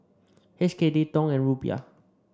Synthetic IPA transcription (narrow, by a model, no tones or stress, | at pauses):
hɛskedetɔ̃ŋɛ̃nɹubia̰